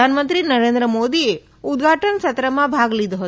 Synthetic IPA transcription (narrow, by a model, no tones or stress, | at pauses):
aːnɐmɐnt̪ɾinɐɾeːnd̪ɾɐmoːd̪ie | ud̪ɡʱaːʈɐnsɐt̪ɾɐmabʱaːɡɐlid̪ɐɦ